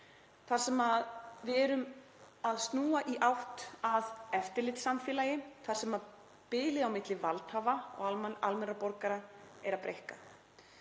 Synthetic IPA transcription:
θaɾ̥sɛmaðvɛɾʏm | aðst̪nuːaʔiʔawht̪aðɛft̪ɪɾlɪt̪samfjɛːlajɪθaɾ̥sɛmað | pɪːlɪawmɪt̪lɪvalt̪havaɔ̰ɣaalmɛnrapɔɾkaɾaɛɾapɾejhka

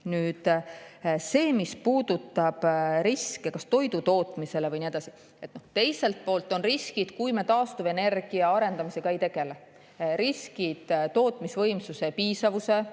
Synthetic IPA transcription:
nyːd̪̥ | se̞ːmispuːd̪̥ut̪ːˑɑb̥ɾiskekɑst̪o̞jd̪ut̪o̞ːt̪ˑmise̞le̞vɯjnied̪ɑsi̥ | et̪ːˑnoht̪e̞jse̞lt̪̚po̞ːlt̪ːˑo̞nriskid̪̥kujmet̪ɑːst̪uve̞ne̞rɡ̥iɑɑɾe̞nd̪̥ɑmise̞ɡ̥ɑe̞jt̪e̞ɡ̥e̞le | ɾiskid̪̥t̪o̞ːt̪ˑmisvɤ̞jmsuse̞piːsɑvuse̞

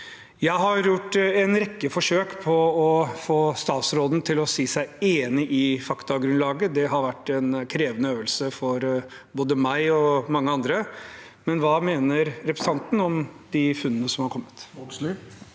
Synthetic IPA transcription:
jæɪɦɑɾjʊʈːɛnɾɛkːəfɔʂøːkpʰɔɔfoːst̪ɑːt̪sɾoːd̪n̩t̪ʰɪlɔsiːsæɪeːnɪʔɪfɑkt̪ɑɡɾʉnlɑːɡəd̪ɛɦɑɾʋæʈːɛnkʰɾeːʋənəøːʋəlsəfɔɾ | boːd̪əmæɪɔmɑŋːəɑnd̪ɾə | mɛnʋɑːmeːnəɾɾɛpɾɛsɑnt̪n̩ɔmd̪̥ɪfʉnːənəsɔmhɑɾkʰɔmːət̪

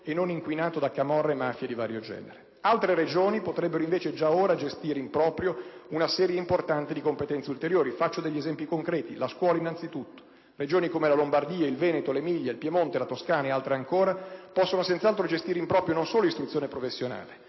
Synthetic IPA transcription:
enːoniŋkwinaːt̪od̪akamɔrːemafjed̪ivaːɾjod͡ʒɛ̰ːneɾe | alt̪ɾeɾed͡ʒoːnipot̪ɾɛbːeɾoiɱveːt͡ʃed͡ʒaoːɾad͡ʒest̪iːɾeimpɾɔːpɾjounasɛːɾjeimport̪ant̪ed̪ikompet̪ɛnt̪seult̪eɾjoːɾifat͡ʃːod̪ɛʎːezɛmpikoŋkɾɛːt̪ilaskwɔːlainːant̪sit̪ut̪ːo̥ | red͡ʒoːnikomelalombard̪iːailvɛːnet̪olemiʎːailpjemont̪elat̪oskaːnaealt̪ɾeaŋkoːɾapɔsːonosent̪salt̪ɾod͡ʒest̪iːɾeimpɾɔːpɾjonõnsoːloist̪ɾut̪sːjoːnepɾofesːjona̰ːle

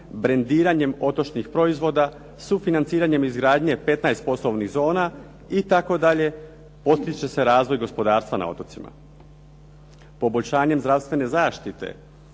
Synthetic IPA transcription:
bɾe̞nd̪iːɾaɲe̞mo̞t̪o̞t͡ʃnixpɾo̞izʋo̞d̪a | sufinant̪siːɾaɲe̞mizɡɾaːd̪ɲe̞pe̞t̪naest̪̚po̞slˠoʋniɣzo̞ːna | it̪ako̞d̪aʎe̞ | po̞t̪kɾit͡ɕe̞se̞ɾaːzʋo̞jɡo̞spo̞d̪aːɾst̪ʋana̰o̞̰t̪o̞t̪sima̰ | po̞boʎʲʃaːɲe̞mzd̪ɾaʋst̪ʋe̞ne̞zaːʃt̪it̪e̞̰

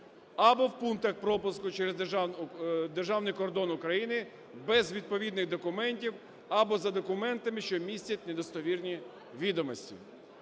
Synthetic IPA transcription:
ɐbɔwpunt̪ɐxpɾɔpʊskʊt͡ʃɛɾez | d̪erʒɑwnɪjkɔrd̪ɔnʊkɾɐjinɪ | bɛzʋʲid̪̚pɔʋʲid̪nɪɣd̪ɔkʊmɛnʲtʲiw | ɐbɔzɐd̪ɔkʊmɛnt̪ɐmɪʃt͡ʃɔmʲisʲtʲɐtʲned̪ɔst̪ɔʋʲirnʲi | ʋʲid̪ɔmɔsʲtʲḭ

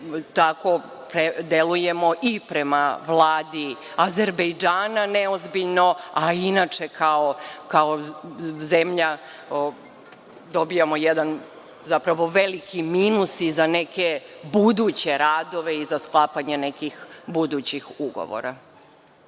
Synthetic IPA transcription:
t̪ako̞ | pɾed̪eluje̞mo̞ʔipɾemaʋlˠaːd̪i | azeɾbejd͡ʒaːnaneozbiʎno̞ainat͡ʃe̞kʰaokaozemʎa | d̪o̞bijamojed̪an | zapɾaʋo̞ʋe̞likʰimiːnusizane̞ke̞bud̪uːt͡ɕe̞ɾaːd̪o̞ʋe̞izasklˠaːpaɲene̞kixbud̪ut͡ɕixuɡo̰ʋo̰ɾa

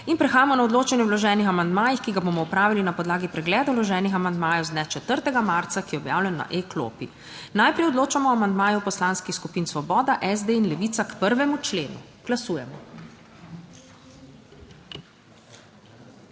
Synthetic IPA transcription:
inpɾɛxaːjamɔnaɔd̪loːt͡ʃɛnjɛwlɔʒɛːnixamand̪maːjixkiɡabomɔupɾaːʋilinapɔd̪laːɡipɾɛɡlɛːd̪awlɔʒɛːnixamand̪maːjɔwzd̪nɛt͡ʃɛt̪əɾt̪ɛɡamaɾt̪sakijɛɔbja̰ːwlʲɛnːa̰ʔeklo̰pḭ | najpɾɛjɔd̪loːt͡ʃamɔamand̪maːjɔwpɔslaːnskixskupiːnsʋɔbɔːd̪aʔɛzd̪einlɛʋiːt̪sakpəɾʋɛmut͡ʃleːnṵɡ̥lasuːjɛmɔ

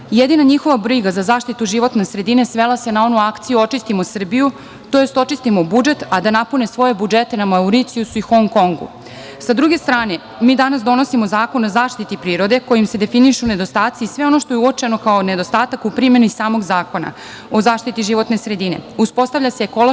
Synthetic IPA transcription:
jed̪inaɲixo̞ʋabɾiɡazazaːʃt̪it̪uʒiʋo̞t̪ne̞sɾe̞d̪ine̞sʋe̞lase̞nao̞nuakt̪sijuo̞t͡ʃist̪imosr̩biju | t̪o̞jest̪o̞t͡ʃist̪imobud͡ʒe̞t̪ad̪anapune̞sʋo̞je̞bud͡ʒe̞t̪e̞namauɾit̪siusuixo̞ŋko̞ŋɡṵ | sad̪ɾuɡe̞st̪ɾaːne̞ | miːd̪anasd̪o̞no̞simo̞zaːko̞nozaːʃt̪it̪ipɾiːɾo̞d̪e̞ko̞jimse̞d̪e̞finiʃuune̞d̪o̞st̪aːt̪siːsʋe̞ono̞ʃt̪o̞jeuot͡ʃe̞no̞kaone̞d̪o̞st̪aːt̪akupɾime̞nisaːmo̞ɡzaːko̞na̰ | o̞zaːʃt̪it̪iʒiʋo̞t̪ne̞sɾe̞d̪ine̞̰uspo̞st̪aʋlʎaseːko̞lo

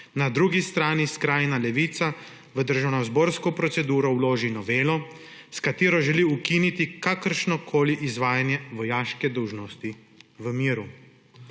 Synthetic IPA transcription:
nad̪ɾuːɡist̪ɾaːniskɾaːjnalɛʋiːt̪sa | ʋəd̪əɾʒawnazboɾskɔpɾɔt̪sɛd̪uːɾɔwloːʒinɔʋeːlɔ | skat̪eːɾɔʒɛliukinit̪ikakəɾʃnɔkʰoːliʔizʋaːjanjɛʋɔjaːʃkɛd̪ɔwʒnɔst̪i | ʋəmiːɾu

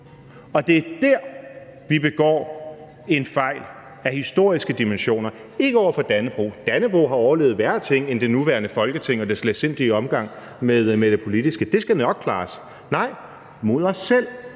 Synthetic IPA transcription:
ɒ̽d̥e̝æɐd̥æɐ̰ | ʋib̥e̝ɡ̥ɒ̰ː | e̝nfɑ̈ɪ̰l | æhisd̥o̝ɐ̰isɡ̥əd̥imenɕo̝̰ːnɐ | e̝ɡ̥əɒ̰ʊɐfɒ̽d̥ænəb̥ʁṵːd̥ænəb̥ʁṵːɦɑ̈ɒʊɐle̝ːʊð̩ˠʋæɐt͡sʰe̝ŋ̰end̥e̝nuʋæɐnəfɒ̽lɡ̥ət͡sʰe̝ŋ̰ɒ̽d̥esle̥sen̰d̥iɒ̽mɡ̥ɑ̈ŋ̰ | meðˠmed̥epʰo̝lid̥isɡ̥əd̥e̝sɡ̥ænɒ̽ɡ̥̚kʰlɑ̈ːs | nɑ̈ɪ̰ | mo̝ð̞ˠɒ̽sːel̰

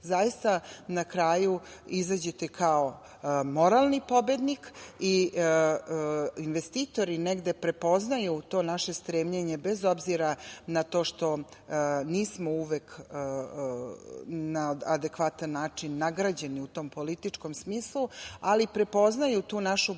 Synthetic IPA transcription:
zajist̪anakɾaːjuizad͡ʑet̪ekʰao̞ | mo̞ɾalˠnipo̞be̞d̪niki | inʋest̪iːt̪o̞ɾineɡd̪e̞pɾe̞po̞znajut̪o̞ːnaʃe̞st̪ɾeːmʎeɲe̞bezo̞bziɾanat̪o̞ːʃt̪o̞ | niːsmouʋek | naad̪e̞kʋat̪anːaːt͡ʂinːaɡɾad͡ʑe̞niut̪o̞ːmpo̞lit̪it͡ʂko̞msmiːslˠualipɾe̞po̞znajut̪uːnaʃu

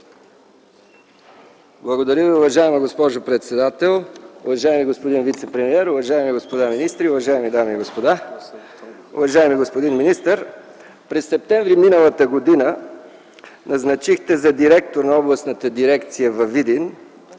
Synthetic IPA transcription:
blˠɐɡod̪ɐɾʲəviʊvɐʒaɛməɡospɔʒopɾɛt̪sɛd̪at̪ɛlˠʊvɐʒaɛmiɡospod̪invit̪sɛpɾɛmiɛɾʊvɐʒajɛmiɡospod̪aminist̪ɾiʊvɐʒaɛmid̪amiːɡospod̪a | ʊ̰vɐʒaɛmiɡospod̪inminist̪əɾ | pɾɛsːɛp̚t̪ɛ̃ɱvɾiminəlˠət̪əɡod̪inə | nɐznɐt͡ʃixt̪ɛzɐd̪iɾɛk̚t̪oɾnɐɔblˠɐsnət̪əd̪iɾɛkt̪sijəvɐvid̪in

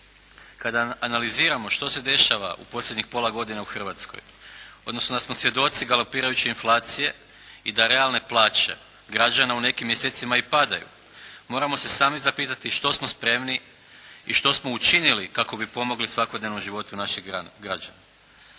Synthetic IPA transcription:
kad̪aːnaliziːɾamo̞ʃt̪o̞se̞d̪e̞ʃaʋa̰ʔṵpo̞slʎʲjed̪ɲixpo̞lˠaɡo̞d̪inauxr̩ʋat̪sko̞̰jo̞d̪no̞snod̪asmo̞sʋje̞d̪o̞t̪siɡalo̞piːɾajut͡ɕeinflˠaːt̪sije̞ | id̪aɾe̞alˠne̞plˠaːt͡ɕe̞̰ | ɡɾad͡ʒanaune̞kimje̞se̞ːt̪simaipad̪ajṵ | mo̞ːɾamose̞saːmizapiːt̪at̪iʃt̪o̞smo̞spɾe̞mni | iʃt̪o̞smo̞ut͡ʃinilikako̞bipo̞mo̞ɡlisʋako̞d̪ne̞ʋno̞mʒiʋo̞t̪unaʃiɡɾad͡ʒa̰na

